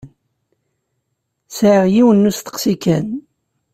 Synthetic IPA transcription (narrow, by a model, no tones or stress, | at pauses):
n | sʕəʁjiwənːust̪ːə̥qsikæn